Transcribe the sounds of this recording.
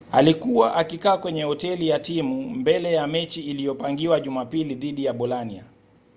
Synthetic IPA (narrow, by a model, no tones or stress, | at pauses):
alikuwaʔakikaːkwɛɲɛhɔtɛlijatimumbɛlɛjamɛt͡ʃiːlijɔpaŋɡiwaʄumapiliðiɗijaɓɔlania̰